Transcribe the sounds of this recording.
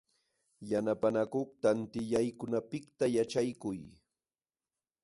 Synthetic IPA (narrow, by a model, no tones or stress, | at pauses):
janapanakoχt̪ant̪ɪʎajkʊnapɪkt̪ajat͡ʃajkʊj